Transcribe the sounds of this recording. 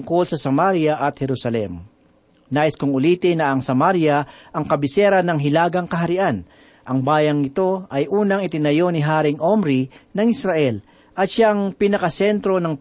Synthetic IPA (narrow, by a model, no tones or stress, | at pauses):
ŋkolsɐsɐmaɾjɐʔɐt̪̚hɛɾusɐlɛ̰m | naːʔɪskʊŋʊliːt̪ɪnɐʔɐŋsɐmaɾjɐʔɐŋkɐbɪsɛːɾɐnɐŋɦɪlaːɡɐŋkɐɦɐɾɪʔan | ʔɐŋbaːjɐŋːɪt̪o̞ʔɐjʔuːnɐŋɪt̪ɪnɐjo̞nɪɦaːɾɪŋʔomɾinɐŋɪsɾaʔɛl | ʔɐt̪ʃaŋpɪnɐkɐsɛnt̪ɾo̞nɐŋ